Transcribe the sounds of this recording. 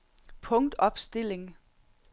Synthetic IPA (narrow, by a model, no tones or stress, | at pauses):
pʰɔ̽ŋd̥ɒ̽b̥sd̥e̝le̝ŋ